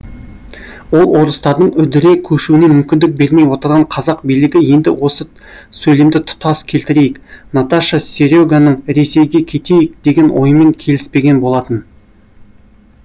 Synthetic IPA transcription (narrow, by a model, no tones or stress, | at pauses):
wo̞lˠwo̞ɾəst̪ɑɾd̪əɴʏd̪ɪɾe̞kʲʰɵʃuɪne̞mʏmkʲɪnd̪ɪk̚be̞ɾme̞jwo̞t̪əɾʁɑɴqʰɑzɑq̚bijlɪɡʲɪje̞nd̪ɪ̰wo̞sə | sɵjlemd̪ɪt̪ʰʊ̥t̪ɑskʲʰe̞lt̪ɪɾe̞jɪknat̪aʃasʲe̞ɾʲoɡanəɴɾe̞se̞jɡʲe̞kʲʰe̞t̪e̞jɪk̚d̪e̞ɡʲe̞nwʔo̞̰jəme̞ŋkʲʰe̞lɪspe̞ɡʲe̞nbo̞lˠɑt̪ən